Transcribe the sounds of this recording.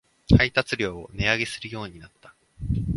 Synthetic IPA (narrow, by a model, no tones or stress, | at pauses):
hait̪at͡sɨɾʲo̞ːone̞aɡe̞sɨɾɯ̟jo̞ːɲ̟inat̪ːḁ